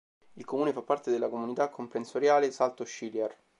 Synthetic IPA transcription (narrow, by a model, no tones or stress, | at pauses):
ilkomuːnefapːart̪ed̪elːakomunit̪akʰːompɾensoɾjaːlesalt̪oʃːiljɛr